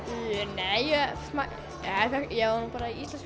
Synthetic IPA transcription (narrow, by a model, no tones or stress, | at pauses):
nɛjjɛsma | ɛθɛjɛɣvanupaːɾaiist̪lɛns